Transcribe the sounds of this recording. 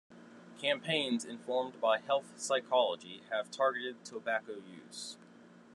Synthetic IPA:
kʰæ̃mpʰẽɪ̃nzɨ̃ɱfɔɹmbaɪhɛlˠθsaɪkʰɑlˠəd͡ʒiɨv̥tʰɑɹɡɨɾɨd̚tʰəbækoʊjʉ̰z̥

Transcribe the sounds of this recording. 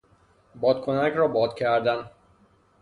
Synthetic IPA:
bɒːd̪̚kʰonækʰɾɒːbɒːd̪cʰæɾd̪æn

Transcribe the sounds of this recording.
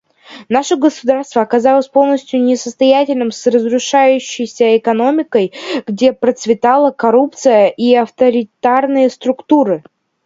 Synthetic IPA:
naʂəɡəsʊd̪arst̪vəɐkɐzalˠəsʲpo̞lˠnəsʲtʲjʊnʲɪsəst̪ɐjætʲɪlʲnɨmsrəzrʊʂajʉɕːɪjsʲəɪkɐno̞mʲɪkəjɡdʲe̞pɾət̪svʲɪt̪alˠəkɐɾup̚t̪sɨjəʔiɐft̪əɾʲɪt̪arnɨjəst̪ɾʊkt̪uɾɨ

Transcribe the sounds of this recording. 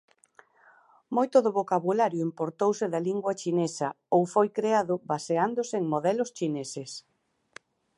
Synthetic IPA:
mojt̪ʊðʊβokaβulaɾjʊimpoɾt̪owsɪðɐliŋɡwɐt͡ʃinesɐ | owfojkɾeaðʊbaseand̪ʊseeŋmoðɛlʊst͡ʃineses

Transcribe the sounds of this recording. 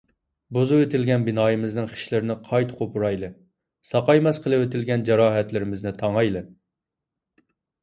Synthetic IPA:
bozuwet̪ʰɪlɡʲɛnbɪnɑːjimɪznɨŋχʰi̥ʃlɪɾɪnɪqʰɑjt̪qʰopuɾɑjlˠɨ | sɑqɑjmɛsqʰəlˠɨwet̪ʰɪlɡʲɛnd͡ʒɑɾɑːɦɛt̪lɪɾɪmɪznɪt̪ʰɑŋɑjlˠɨ

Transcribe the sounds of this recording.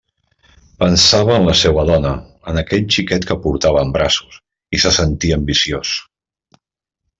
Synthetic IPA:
pənsaβəːnləsewəðɔnəː | nəkɛʎt͡ʃikɛt̪kəpuɾt̪aβ̞əːmbɾasus | isəsənt̪iəmbisios

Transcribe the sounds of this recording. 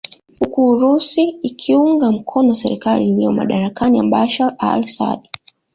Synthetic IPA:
hukuːɾusiːkʰiuŋɡam̩kʰɔnɔasɛɾikaliːlijɔma̰ɗaɾakanija̰mbaʃala̰lsa̰ɗ

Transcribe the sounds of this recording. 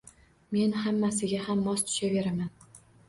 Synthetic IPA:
me̞nhamːasɪɡʲahamːɒst̪ʰʊ̥ʃave̞ɾaman

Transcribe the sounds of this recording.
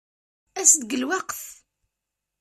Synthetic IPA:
æsd̪ɡəlwɑqθ

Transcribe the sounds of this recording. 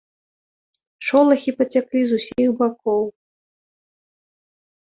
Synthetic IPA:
ʂɔlˠɐxʲipɐt͡sʲaklʲizusʲixbakɔw

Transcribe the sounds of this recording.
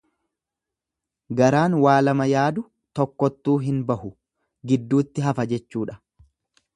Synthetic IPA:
ɡɐɾaːnwaːlɐmɐjaːd̪ʊ | t̪ɔkːɔt̪ːuːɦɪnbɐhʊ | ɡɪd̪ːuːt̪ːɪɦɐfɐd͡ʒɛt͡ʃːuːᶑɐ̥

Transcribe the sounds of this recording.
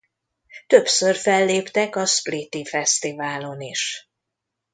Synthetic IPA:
t̪ø̞psørfɛlːeːpt̪ɛkɒsplit̪ifɛst̪ivaːlo̞niʃ

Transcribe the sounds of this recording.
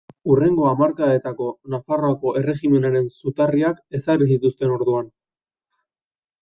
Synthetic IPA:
ure̞ŋɡo̞amaɾkae̞t̪ako̞nafaroako̞ʔere̞ɣime̞naɾe̞nsut̪ariake̞saris̬it̪ust̪e̞no̞ɾðuan

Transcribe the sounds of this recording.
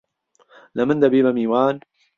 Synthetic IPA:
lamand̪abiːmamiːwaːn

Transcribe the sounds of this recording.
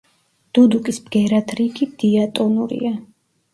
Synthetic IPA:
d̪̥ud̪ukʼisbɡɛɾat̪ʰɾikʰid̪̥iat̪ʼɔnuɾḭa

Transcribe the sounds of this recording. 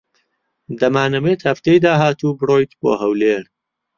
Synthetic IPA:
d̪ɐmaːnɐmeːt̪hɐft̪ejd̪aːɦaːt̪uːbɨroːjt̪bo̰ːɦɐwleːɾ

